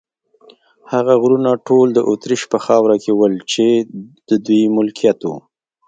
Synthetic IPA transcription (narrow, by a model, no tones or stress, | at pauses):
haɣaɣɾunaʈold̪əʔot̪ɾiʃpəxɑwɾakewəlt͡ʃed̪̥əd̪ujmʊlkijat̪wṵ